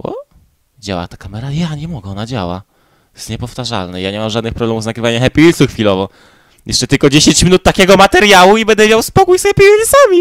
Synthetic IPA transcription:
wɔ̰ | d͡ʑa̰wa̰t̪akamɛɾajaɲɛmɔɡɛɔnad͡ʑa̰wa̰ | t̪ɔ̥jɛst̪ɲɛpɔft̪aʐa̰lnɛjaɲɛmamʐad̪nɨxpɾɔblɛmuvzaɡɾɘvaɲɛxɛpʲiilsuxfʲilɔvɔ | jʔɛʂt͡ʂɛt̪ɘlkɔd͡ʑeɕeɲt͡ɕmʲinut̪ːakʲɛɡɔmat̪ɛɾjawuibɛnd̪ɛmʲjawspɔkujsxɛpʲiilsamʲi

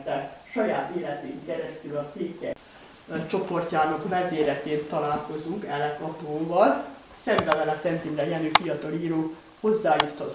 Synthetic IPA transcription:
ɛʃɒjaːt̪eːlɛt̪ḛːŋkɛɾɛst̪ylɒseːkːɛ̰ | t͡ʃo̞po̞rcaːnɒkmɛzeːɾɛt̪eːnt̪ɒlaːlko̞zuŋkɛlɛkɒp̪oːvɒl | sɛŋvɛvɛlɛsɛnt̪indɛjɛnyfijɒt̪ɒliːɾoː | ho̞zːaːjut̪ʰhɒt

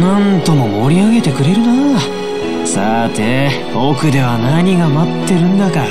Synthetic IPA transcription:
nãnt̪o̞mo̞mo̞ɾʲiaɡe̞t̪e̞kɯ̟ɾe̞ɾɯ̟na | sat̪e | o̞ːkɯ̟d̪e̞βanaɲ̟iɡamat̪ːe̞ɾɯ̟̃nd̪aka

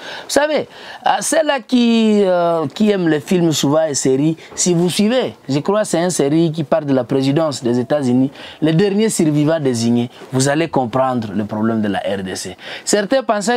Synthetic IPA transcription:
vusavesɛlaki | kiɛmləfilmsuvãeseʁisivuswiveʒəkʁwasɛɛ̃nseʁik̬ipaʁld̪əlapʁezid̪ɑ̃sd̪ɛzet̪azynilɛd̪ɛʁnjesyɾvivãd̪eziɲevuzalekɔ̃pʁɑ̃d̪ʁələpʁɔblɛmd̪əla̰ʔɛʁd̪ḛsesɛʁt̪ɛ̃pãs̬ɛ

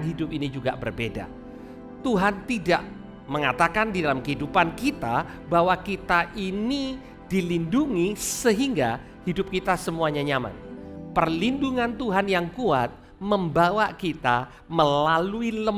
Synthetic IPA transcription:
nɦidʊp̚inid͡ʒuɡa̰ʔbərbeda̰ | t̪uɦant̪ida̰ʔ | məŋat̪akandidalamkəɦidupankit̪abawakit̪aʔini | d̥ilinduŋisəɦiŋɡa | hidʊp̚kit̪asəmuaɲaɲama̰npərlinduŋant̪uɦanjaŋkuat̪̚ | məmbawakit̪a | məlaluiləm

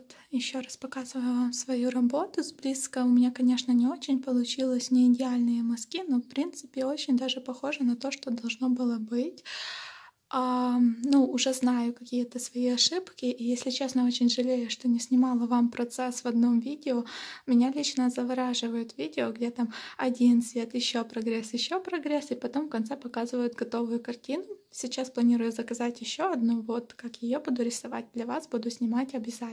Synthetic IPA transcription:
t̪ | jɪɕːo̞rɐspɐkazɨvəjʊvamsvɐjuɾɐbo̞t̪ʊzʲblʲiskəʊmʲɪnʲakɐnʲe̞ʂnənʲɪo̞t͡ɕɪnʲpəlˠʊt͡ɕilˠəsʲnʲɪːdʲɪalʲnɨjəmɐskʲino̞fpɾʲint̪sɨpʲɪo̞t͡ɕɪnʲd̪aʐɨpɐxo̞ʐɨnɐt̪o̞ʂt̪od̪ɐlˠʐno̞bɨlˠəbɨtʲ | anuʊʐɛznajʊkɐkʲijət̪əsvɐjiɐʂɨpkʲɪʔːjesʲlʲɪt͡ɕesnəot͡ɕɪnʲʐɨlʲejʊʂt̪o̞nʲɪsʲnʲɪmɑlˠəvampɾɐt̪sɛsvɐd̪no̞mvʲidʲɪomʲɪnʲalʲit͡ɕnəzəvɐɾaʐɨvəjʊt̪vʲidʲɪoɡdʲet̪amɐdʲinsʲvʲet̪jɪɕːopɾɐɡɾʲesjɪɕːopɾɐɡɾʲesɨpɐt̪o̞mfkɐnt̪sɛpɐkazɨvəjʊt̪ɡɐt̪o̞vʊjʊkɐrtʲinʊsʲɪt͡ɕasplˠɐnʲiɾʊjʊzəkɐzatʲjɪɕːo̞ɐd̪nuvo̞t̪kakjajɪjobud̪ʊɾʲɪsɐva̰t̚ʲd̪lʲɐvasbud̪ʊsʲnʲɪmatʲɐbʲɪza

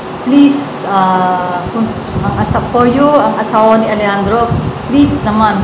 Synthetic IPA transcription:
plis | akʊŋ | ʔɐŋʔɐsafoɾjoɐŋɐsaːwanɪʔɐlɛhand̪ɾoplisnɐman

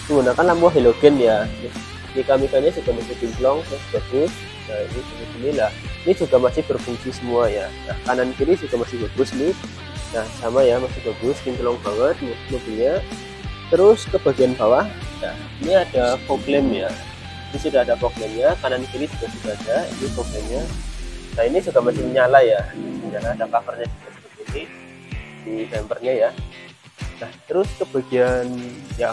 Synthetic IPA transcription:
məŋɡunakanlahmuaɦeloɡɛnjani | nikamikanɲad͡ʒuɡ̥amasɪhbint̪lɔŋt̪ʊsu̥ɡ̥abɪs | jainid͡ʒumit̪inilahinid͡ʒuɡamasɪhb̥ərfuŋsisəmuajala̰kanankiɾid͡ʒuɡamasɪhb̥aɡ̥ʊsni | lahsamajamasɪhb̥aɡʊskint̪əlɔŋbaŋət̪̚nmubuɲa | t̪əɾʊskəb̥aɡianbawahja̰ | iniadapoklɛmɲa | inisudaːdapoklɛmɲakanankilisudasuɡaːdaḭnipoɡlɛmɲanainisuɡamasɪmɲalajaəɲalaadapafərɲadik̪əsəbʊt̪̚ɡili | d̥it̪ɛmbərɲaja | naht̪əɾʊskəb̥aɡianja

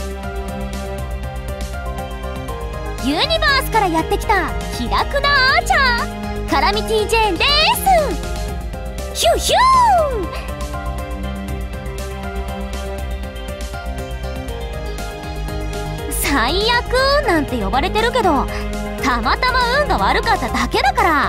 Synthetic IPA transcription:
jɯːɲ̟ʲibaːsɨ̥kaɾajat̪ːe̞kʲi̥t̪açiɾakɯ̟nat͡ɕa | kaɾamʲit̪ʲid͡ʑend̪esɨ | ɕɯɕɯ | saijakɯ̟nãnt̪e̞jo̞baɾe̞t̪e̞ɾɯ̟ke̞d̪o̞ | t̪amat̪amaɯ̟̃ŋɡaβaɾɯ̟kat̪ːad̪ake̞d̪akaɾa

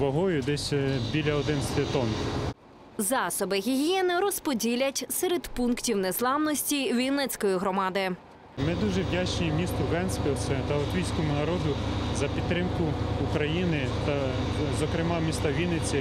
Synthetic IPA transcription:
ʋɔɦɔjʊd̪ɛsʲbʲilʲɐɔd̪ɪnst̪et̪ɔn | zɑsɔbɪɦʲiɦʲijɛnɪɾɔspɔdʲilʲɐtʲsɛɾed̪punktʲiwneslˠɑwnɔsʲtʲiʋʲilnɛt͡sʲkɔjiɦɾɔmɑd̪ɪ | mɪd̪uʒɛwdʲat͡ʃt͡ʃejimʲist̪ʊɾʊɣɛnsʲkʲɔɔsɛt̪ɐɔt̪ʋʲijsʲkɔmʊnɐɾɔd̪ʊzɐpʲid̪t̪ːɾɪmkʊːkɾɐjinɪ | t̪ɐ | zɔkɾɪmɑmʲist̪ɐʋʲilʲnɪt͡sʲi

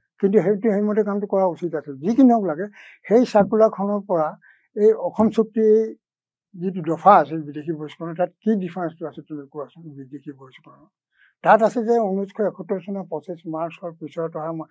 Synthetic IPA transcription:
kintuɦetuhejmɔtɛkamtʊkɔɹausitasɛzikiniɦɔklaɡɛ | hejsakulakʰɔnɔɹpɔɹa | ejɔkʰɔmsuk̚tiej | zitudɔpʰaːsɛbidekʰibɔiskɔnɔtat̚kidipʰaɹɛ̃nstuasɛtumakɔasɛbidekʰibɔiskɔnɔ | tatasɛzɛunuskʰɔjɛkʰɔtɔɹsɔnɔpɔsɛsmaɹsɔɹpisɔɹtɔɦam

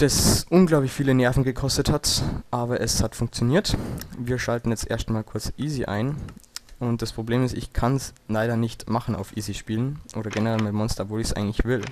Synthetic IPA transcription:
d̥asʔʊnɡlaʊplɪçfiːlənɛɐfn̩ɡəkʰɔstəthatʔaːbɐʔɛshatfʊŋk̚t͡sjoniːɐtviːɐʃaltn̩jɛt͡stʔḛɐstmaːlkʰʊɐt͡sʔiːziʔa̰ɪn | ʊnt̚d̥aspʁ̥obleːmɪstɪçkʰanslaɪɾɐnɪçtmaχn̩a̰ʊfʔiːziʃpiːlənʔoːɾɐɡɛnəʁɛlmɪmɔnstɐvoːlɪçsʔa̰ɪɡŋ̩tlɪçv̥ɪl

